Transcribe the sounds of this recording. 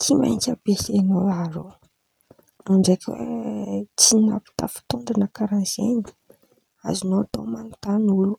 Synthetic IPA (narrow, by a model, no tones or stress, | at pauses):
t͡sima̰jɲkʲəbesenowaɾo | noɳd͡ʒejkʲwḛt͡sina̰pi̥t̪a̰fi̥t̪oɳɖ͡ʐanəkaɾanzḛni̥ | a̰zinoat̪o̰manut̪anulu̥